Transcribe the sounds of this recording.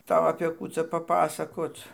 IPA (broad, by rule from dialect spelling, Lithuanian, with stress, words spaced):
ˈtɐʊ ɐpʲeː ˈkuː t͡sɐ pɐˈpɑːsɐkoːt͡s